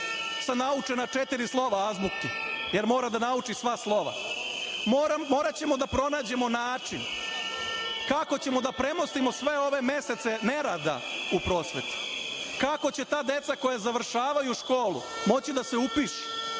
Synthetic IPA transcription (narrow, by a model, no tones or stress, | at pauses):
samnaut͡ʃenat͡ʃet̪iɾislˠo̞ʋaazbukkije̞ɾmo̞ːɾad̪anaut͡ʂisʋaslˠo̞ʋa̰ | mo̞ːɾat͡ɕe̞mo̞d̪apɾo̞naːd͡ʑe̞monaːt͡ʃin | kako̞t͡ɕe̞mo̞d̪apɾe̞mo̞st̪imo̞sʋe̞o̞ʋe̞me̞se̞t̪se̞ne̞ɾad̪a̰upɾo̞ːsʋet̪u̥kako̞t͡ɕe̞t̪aːd̪e̞t̪sako̞jazaʋr̩ʃaːʋajuʃko̞ːlṵmo̞t͡ɕid̪aseupiːʃe̥